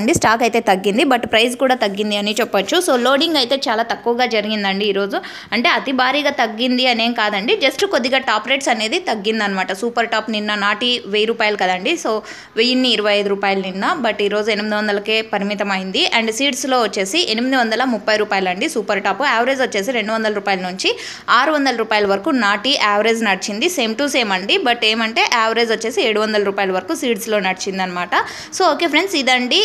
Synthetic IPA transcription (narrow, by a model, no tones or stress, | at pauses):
ɐɳɖisʈaːkɐjt̪e̞ːt̪ɐɡːind̪ibɐʈpɾɐjskuːɽaːt̪ɐɡːind̪iɐnit͡ʃɛpːʋɐt͡ʃːuso̞ːlo̞ːɖiŋɡɐjt̪e̞ːt͡ʃaːlaːt̪ɐkːuʋɐɡaːd͡ʒɐɾiɡind̪ɐɳɖiːɾo̞ːd͡ʒu | ɐɳʈeːɐt̪ibʱaːɾiːɡaːt̪ɐɡːind̪iɐne̞ːŋkaːd̪ɐɳɖid͡ʒɐsʈkod̪ːiɡaːʈaːpɾejʈsɐne̞ːd̪it̪ɐɡːind̪ɐnɐmaːʈɐsuːpɐɾʈaːpninːɐnaːʈiʋejɾuːpaːjɐlɐkɐd̪ɐɳɖiso̞ː | ʋejinːiːɾɐʋɐjɐjd̪uɾuːpaːjɐlɐninːɐbɐʈiːɾo̞ːd͡ʒue̞nimid̪iʋɐnd̪ɐlɐke̞ːpɐɾimit̪ɐmɐjind̪iʔɐɳɖsiːʈslo̞ːʋɐt͡ʃːe̞ːsiʔenimid̪iʋɐnd̪ɐlɐmupːɐjɾuːpaːjɐlɐɳɖisuːpɐɾʈaːpuaːʋɐɾeːd͡ʒʋɐt͡ʃːe̞ːsiɾe̞ɳɖuʋɐnd̪ɐlɐɾuːpaːjɐlɐnuɲt͡ʃi | aːɾuʋɐnd̪ɐlɐɾuːpaːjɐlɐʋɐɾɐkuːnaːʈiʔaːʋɾeːd͡ʒnɐɽit͡ʃind̪ise̞ːmʈuse̞ːmɐɳɖibɐʈe̞ːmɐɳʈe̞ːʔaːʋɐɾeːd͡ʒʋɐt͡ʃːe̞ːsieːɽuʋɐnd̪ɐlɐɾuːpaːjɐlɐʋɐɾɐkuːsiːʈslo̞ːnɐɽit͡ʃind̪iɐnːɐmaːʈɐ | soːoːke̞ːpʰɾe̞ɳɖsid̪ɐɳɖi